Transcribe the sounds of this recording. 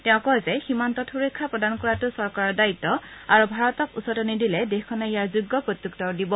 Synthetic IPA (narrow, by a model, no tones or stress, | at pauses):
tɛʊ̃kɔzɛximantɔtʰxuɹekʰːapɹɔdankɔɹatʊsɔɹkaɹɔɹdaitːɔaɹubʱaɹɔtɔkusɔtɔnidilɛdexkʰɔnɛijaɹzuɡːɔpɹot̪juk̚tɔkdibɔ